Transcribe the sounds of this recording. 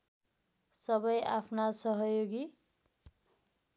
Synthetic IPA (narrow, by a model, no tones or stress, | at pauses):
sʌbʌjapʰnasʌɦʌjoɡi